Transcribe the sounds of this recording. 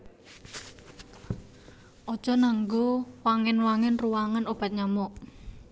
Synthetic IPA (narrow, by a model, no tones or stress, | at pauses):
ʔɔd̥ʒ̥ɔ̤naŋɡowaŋɪnwaŋɪnruwaŋanob̥a̤t̪̚ɲamɔʔ